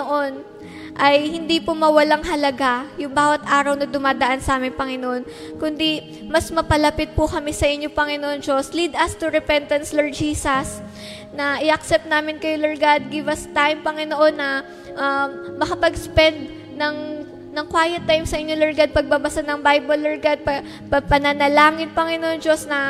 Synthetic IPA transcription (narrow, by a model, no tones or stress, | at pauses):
noʔo̞n | ʔɐjhɪnd̪ipʊmɐwɐlaŋɦɐlɐɡajʊŋbaːwɐt̪ʔaːɾɐwnɐd̪ʊmaːd̪ɐʔansɐʔaːmɪŋpɐŋɪnoʔo̞n | kʊnd̪i | mɐsmɐpɐlɐpɪt̪̚pʊkɐmɛsɐʔɪɲːopɐŋɪnoʔond͡ʒoslid̪ɐst̪ʊɾɛpɛnt̪ɐnsloɹd͡ʒiːsɐs | nɐʔɪʔɐk̚sɛp̚t̪naːmɪnkɐjolɛɹɡad̪̚ɡɪvɐst̪ajmpɐŋɪnoʔo̞nːɐ | ʔɐmɐkɐpɐɡspɛnd̪̚ | nɐŋ | nɐŋkwaːjɛt̪ːajmsɐʔɪɲːolɛɹɡɐd̪̚pɐɡ̚bɐbɐsanɐŋbajbolːɛɹɡad̪̚pɐ | pɐpɐnɐnɐlaːŋɪnpɐŋɪnoʔond͡ʒo̞snɐ